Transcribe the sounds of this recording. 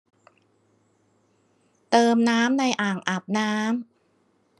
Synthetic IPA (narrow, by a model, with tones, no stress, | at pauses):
t̪ɤː˧mnaː˦˥mna˧jʔaː˨˩ŋʔa˨˩p̚naː˦˥m